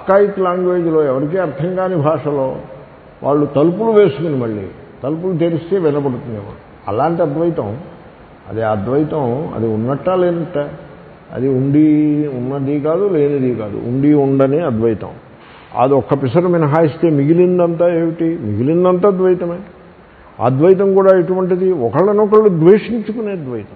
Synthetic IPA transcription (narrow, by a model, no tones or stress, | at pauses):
ɐkːaːjit̪laːŋɡʋeːd͡ʒloːɛʋɐɾik̬iːɐɾt̪ʰɐŋkaːnibʱaːʂɐlo̞ː | ʋʔa̰ːɭːut̪ɐlupuluʋeːsukunimɐɭːḭː | t̪ɐlup̬ulut̪eːɾist̪eːʋɛnɐpɐɽut̪und̪ima̰ɳu | ɐ̰laːɳʈiɐd̪ʋɐjit̪ɐm | ɐ̰d̪iɐd̪ʋɐjit̪ɐmɐ̰d̪iunːɐʈːaːleːnɐʈːaː | ɐ̰d̪iuɳɖiunːɐd̪ikaːd̪uleːnɐd̪ikaːd̪ṵʔṵɳɖiuɳɖɐneɐd̪ʋɐjt̪ɐ̰m | ɐ̰d̪iɔkːɐpisɐɾuminɐɦaːjist̪e̞ːmiɡilind̪ɐnt̪aːeːʋiʈimiɡilind̪ɐnt̪aːd̪ʋɐjt̪ɐmɐ̰ː | ɐ̰d̪ʋɐjt̪̬ɐmkuːɽaːiʈuʋɐɳʈid̪iɔkɐɭːɐnɔkɐɭːud̪ʋeːʂiɲt͡ʃukune̞ːɐd̪ʋɐjit̪ɐm